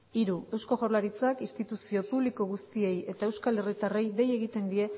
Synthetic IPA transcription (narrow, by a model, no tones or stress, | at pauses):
iɾue̞wsko̞ɣawɾlaɾit͡sakist̪it̪usio̞puβliko̞ɣust̪ie̞je̞t̪ae̞wskale̞rit̪are̞jde̞je̞ɣit̪e̞nd̪ie̞